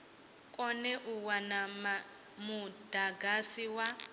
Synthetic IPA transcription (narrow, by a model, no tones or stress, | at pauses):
kʼɔnɛʔuwana | mud̥aɡasiwa